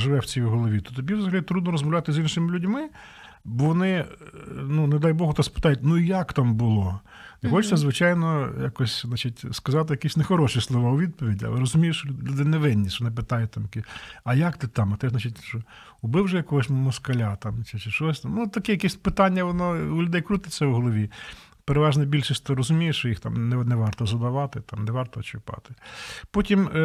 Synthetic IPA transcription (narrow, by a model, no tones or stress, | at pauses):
ʒɪʋɛwt͡sʲijɦɔlˠɔʋʲit̪ɔt̪ɔbʲiwzɐɦɐlʲit̪ɾud̪nɔɾɔzmɔʋwlʲat̪ɪzinʃɪmɪlʲʊdʲmɪ | bɔʋɔnɪ | nuned̪ajbɔɦʊt̪ɔspɪ̥t̪ɑjʊtʲnuijakt̪ɑmbʊlˠɔ | nexɔt͡ʃt͡s̪ɛzʋɪt͡ʃajnɔjakɔsʲznat͡ʃitʲskɐzɑt̪ɪjɐkisʲnexɔɾɔʃislˠɔʋɑʊʋʲid̪̚pɔʋʲidʲiɐ̰lˠɛɾɔzʊmʲijʊʃɔlʲud̪ɪnɛʋɛnʲːiʃɔɔnɪp̬ɪt̪ɑjʊt̚ʲt̪amjɐkɛɐjakt̪ɪt̪ɑmɐt̪ɪznat͡ʃʲit̚ʲʃɔ | ʊbɪwʒɛjɐkɔɦɔsʲmɔskɐlʲat̪ɑmt͡ʃɪt͡ʃɪʃɔsʲt̪mnut̪ɐkɛjɐkɛsʲpɪt̪ɑnʲːɐʋɔnɔʊlʲʊd̪ɛjkɾut̪ɪt͡sʲːɐwɦɔlˠɔʋʲi | peɾeʋɑʒnɐbʲilʲʃisʲt̪ɔɾɔzʊmʲijeʃt͡ʃɔjixt̪amnɛnɛʋɑrt̪ɔzɐd̪ɐʋɑt̪ɪt̪ɑmnɛʋɑrt̪ɔːt͡ʃʊpɑ̰t̪ɪ̥pɔtʲim